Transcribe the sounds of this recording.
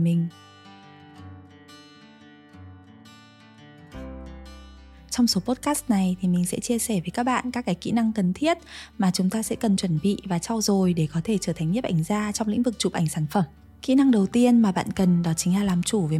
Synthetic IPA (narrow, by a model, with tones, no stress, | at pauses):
mï˨˩ŋ̟ | t͡ɕɔ˧wŋ͡mso˨˦po˦˥t̚kaː˦˥st̚na˨˩jt̪ʰi˨˩mï˨˩ŋ̟sɛ̰˧˥t͡ɕi˧əsɛ˧˩və˨˦kaː˦˥k̚ɓa̰ː˧˨nkaː˦˥kːaː˨˦jkḭ˧˥na˧ŋkə˨˩nt̪ʰi˦˥ət̚maː˨˩t͡ɕʊ˨˦ŋ͡mt̪aː˧sɛ̰˧˥kə˨˩nt͡ɕwə˧˩nɓḭ˧˨vaː˨˩t͡ɕɔ˧wzo˨˩jɗe˧˩kɔ˨˦t̪ʰe˧˩t͡ɕəː˧˩t̪ʰa˨˩ŋ̟ɲ˦˥p̚ʔa˧˩jŋ̟zaː˧t͡ɕɔ˧wŋ͡mlḭ̈˧˥ŋ̟vɨ˨˩k̚t͡ɕu˨˩p̚ʔa˧˩ŋ̟saː˧˩nfə˧˩m | kḭ˧˥na˧ŋɗə˨˩wt̪i˧ənmaː˨˩ɓa̰ː˧˨nkə˨˩nɗɔ˨˦t͡ɕï˨˦ŋ̟laː˧˩laː˨˩mt͡ɕu˧˩ve˨˩